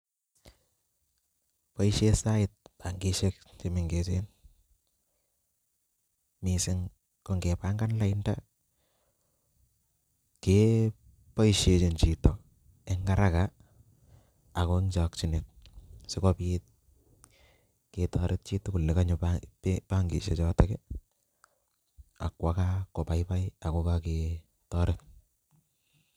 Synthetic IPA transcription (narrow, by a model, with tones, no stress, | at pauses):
pa˦i˦ʃe˦sa˦ɪt̚pa˨ŋɡe˦ʃe˦kt͡ʃe˨me˨ŋɡe˨te˦n | mi˨sɪ˦ŋ | ko˨ŋɡe˨pa˦ŋɡa˦nla˦ɪnda | ke | pa˦i˦ʃje˨t͡ʃe˨nt͡ʃitɔ˨ | e˦ŋɡa˦ɾa˦ka˨ | ko˦ɪŋt͡ʃak̚t͡ʃi˦ne˨t̚sɪ˦kɔpit̚ | ketɔɾʔɪ˦t̚t͡ʃi˦tːu˦kʊ˨lːe˨ka˦ɲʊpapepaŋɡḭ˨ʃḛ˨t͡ʃɔːteke | a̰˨kwa˦kako˨pa˨jpa˦ja˨kokake | tɔɾɪ˦t̚